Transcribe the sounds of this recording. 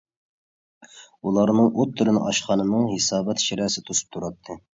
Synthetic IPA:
ulˠɑɾnɨŋot̪ʰːuɾɨnɨ̰ʔɑʃqɑnɨnɨŋhesɑːbɛt̪ʃiɾɛːsɪt̪ʰusu̥p̚t̪ʰuɾɑt̪ʰːɨ

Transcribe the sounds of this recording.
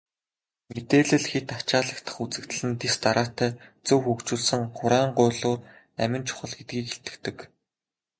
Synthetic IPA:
met̪eːɮɘ̆ɮxet̪at͡ɕaːɮə̆kt̪ʰə̆χut͡sɘ̆kt̪ɘ̆ɮɘ̆nt̪est̪aɾaːt̪ʰæːt͡sɵwxukt͡ɕuːɮsə̆ŋχʊɾæːɴɢʊːɮʊːr | æ̰mʲɪ̆nt͡ɕʰʊ̥χə̆ɮɡet̪̚ɡiːkeɬt̪ɘ̆kt̪ɘ̆k

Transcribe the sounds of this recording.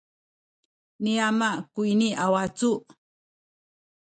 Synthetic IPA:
niamakuiniawat͡su

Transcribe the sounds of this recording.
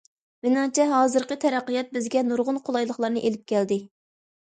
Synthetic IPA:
wɪnɑt͡ʃʰɛɦɑːzɨɾqət̪ʰɛɾæqːijɛt̪̚bɪzɡʲɛnuɾʁʊnqʰolˠɑjlˠəχlˠɑɾnɨʔelɪp̚kʲʰɛld̪ɪ

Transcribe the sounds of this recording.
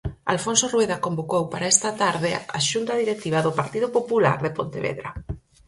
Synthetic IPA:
a̰lfonsorweðakombokowpaɾaest̪ɐt̪aɾðɪa̰ʃunt̪ɐðiɾet̪iβaðʊpaɾt̪iðʊpopula̰ɾðepont̪eβḛðɾa̰

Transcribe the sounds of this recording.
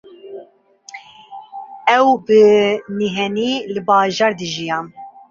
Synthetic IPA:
ɛwbɨniɦɛniːlɨbɑːʒɑːɾd̪ɨʒijɑːn

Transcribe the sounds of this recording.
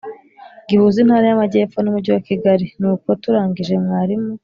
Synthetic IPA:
ɡihuːzinhaːɾajamaɟe̞ːfo̞numuɾɟuwakiɡaɾinuːko̞tuɾaːɲɟiʒe̞mŋaːɾimu

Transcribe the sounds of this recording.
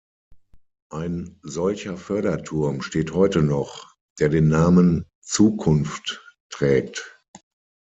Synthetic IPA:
ʔaɪnzɔlçɐfœɐɾɐtʰʊɐmʃteːthɔʏtənɔχ | d̥eːɐdeːnːaːmən | t͡suːkʰʊnfttʁ̥ɛːkt

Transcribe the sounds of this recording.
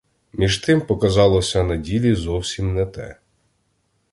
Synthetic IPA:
mʲiʒt̪ɪmpɔkɐzɑlˠɔsʲɐnɐdʲilʲizɔwsʲimnɛt̪ɛ̰

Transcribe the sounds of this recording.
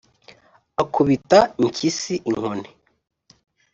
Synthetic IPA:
akʰuβitaiɲcisiʔiŋ̥hone

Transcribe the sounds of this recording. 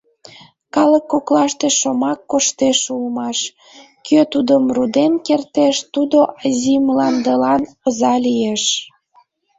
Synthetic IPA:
kɑləkːoklɑʃt̪eʃomɑkːoʃt̪eʃulmɑʃ | køt̪ud̪əmrud̪enkert̪eʃt̪ud̪oʔɑzʲimlɑnd̪əlɑnozɑlijeʃ

